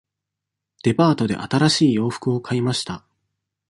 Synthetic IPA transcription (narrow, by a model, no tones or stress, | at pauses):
d̪̥e̞paːt̪o̞d̪e̞̰ʔa̰t̪aɾaɕiːjo̞ːɸɯ̥kɯ̟o̞kʰaimaɕi̥t̪a